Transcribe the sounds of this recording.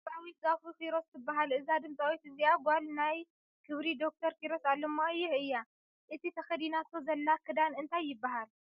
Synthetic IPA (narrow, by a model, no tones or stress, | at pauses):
awit̪̚zafukʰiɾo̞st̪ʰɨbːaɦalɨzad̪ɨmt̪ʼawit̪ɨziaɡʷalnaj | kʰɨβɾid̪o̞k̚t̪ʰɐɾkiɾo̞salːomːajːɪhɨjːa | ʔɨt̪ʰit̪ʰɐxɐd̪inat̪ʰozɐlːakʰɨd̪anɨnt̪ʰajːɪbːaɦal